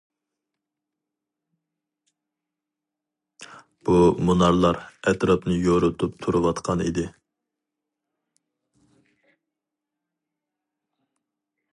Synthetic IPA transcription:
b̥umonɑɾlˠɑɾɛt̪ɾɑpnɨjoɾʊt̪ʰup̚t̪ʰuɾuwɑt̪qʰɑnḭd̪ɪ

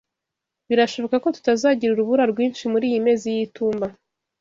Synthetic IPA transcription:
βiɾaʃo̞βo̞kako̞tu̥tazaːɟiɾuɾuβuɾaɾɡwiːnʃimuɾiːjime̞ːzijituːmba

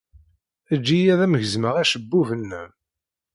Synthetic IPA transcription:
æd͡ʒːijæðæməʝəzməʁæʃəbːuvənːæ

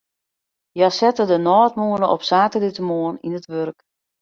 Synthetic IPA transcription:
jasɛtədənɔːtmuənəʔɔ̰psaːtəlitəmoəninətʋørk

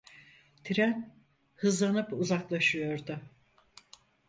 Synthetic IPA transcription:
t̪ʰiɾæn | hɯzlˠanɯpuzaklˠaʃɯjo̞ɾd̪ʊ

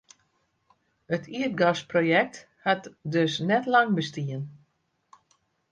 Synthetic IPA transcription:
ətʰiət̚ɡasprojɛk̚t | hatdøsnɛtlaŋbəstiən

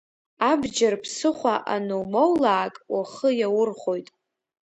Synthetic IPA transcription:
abd͡ʒarpʰsɨχʷaʔanowmowlaːkʼwaχəjawʊrχʷo̞jtʼ

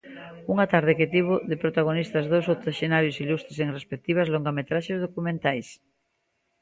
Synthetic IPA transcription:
uŋat̪aɾð̞ɪket̪iβʊðɪpɾot̪aɣ̞onist̪ɐzðowsot̪aʃenaɾjosilust̪ɾeseŋrespek̚t̪iβ̞ɐzloŋɡamet̪ɾaʃezð̞okumẽnt̪ajs

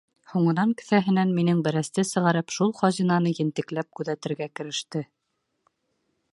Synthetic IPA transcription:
huɴɤ̆nɑŋkɘ̆θæɦɘ̆nænminɘŋbæ̆ɾæst̪ɘsɤ̆ʁɑɾɘpʃulˠχɑʑinɑnɤjɘ̆nt̪ɘ̆klæp̚kʉðæt̪ɘ̆ɾɡækɘ̆ɾɘ̆ʃt̪ɘ

